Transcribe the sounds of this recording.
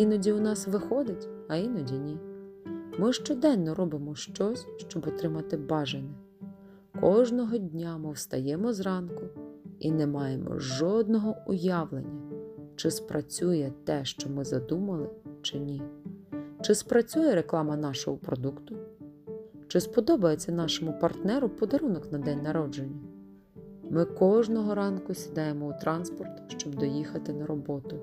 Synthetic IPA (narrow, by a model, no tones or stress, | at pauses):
inɔdʲiʊnɑsʋɪxɔd̪ɪtʲɐinɔdʲinʲi | mɪʃt͡ʃɔd̪ɛnːɔɾɔbɪmɔʃt͡ʃɔsʲʃt͡ʃɔbɔt̪ɾɪmɐt̪ɪbɑʒenʲɐ | kɔʒnɔɦɔdʲnʲamɪwst̪ɐjɛmɔzrɑnkʊinɛmɑjemɔ̰ʒɔd̪nɔɦɔʊjɑʋlˠḛnʲːɐt͡ʃɪspɾɐt͡sʲujɛt̪ɛʃt͡ʃɔmɪzɐd̪umɐlˠɪt͡ʃɪnʲi | t͡ʃɪspɾɐt͡sʲujɛɾeklˠɑmɐnɑʃɔɦɔpɾɔd̪ukt̪ʊ | t͡ʃɪspɔd̪ɔbɐjet͡sʲːɐnɑʃɔmʊpɐrt̪nɛɾʊpɔd̪ɐɾunɔknɐd̪ɛnʲnɐɾɔd͡ʒenʲːɐ | mɪkɔʒnɔɦɔɾɑnkʊsʲid̪ɑjemɔut̪ɾɑnspɔrt̪ʃt͡ʃɔbd̪ɔjixɐt̪ɪnɐɾɔbɔt̪ʊ